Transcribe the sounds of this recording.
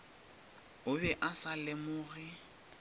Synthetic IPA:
ʊbɛʔasalɛmʊɣɪ

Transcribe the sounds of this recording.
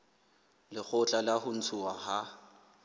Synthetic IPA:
lɪk͡xʰʊt͡ɬʼalahʊn̩t͡sʰʊwaha

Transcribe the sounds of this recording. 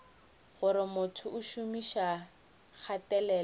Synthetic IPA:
ɣʊɾɪmʊtʰʊʔʊʃʊmiʃa | k͡xʰatɛlɛːl

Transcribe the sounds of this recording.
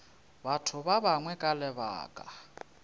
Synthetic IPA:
batʰʊβaβaŋwɛkʼalɛβa̰ːkʼa

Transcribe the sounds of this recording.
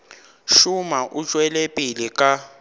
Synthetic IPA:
ʃumaʔut͡ʃʼwɛlɛpʼilikʼa

